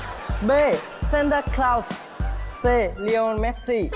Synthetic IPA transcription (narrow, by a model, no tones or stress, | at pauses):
be | sɛ̃ndəklaws | seliõnmɛksi